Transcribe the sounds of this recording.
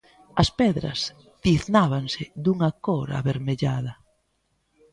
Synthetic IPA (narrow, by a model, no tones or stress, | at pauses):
ɐspɛðɾɐ̰s | d̪iθnaβaŋsɪd̪uŋakoɾa̰βeɾmeʎaðɐ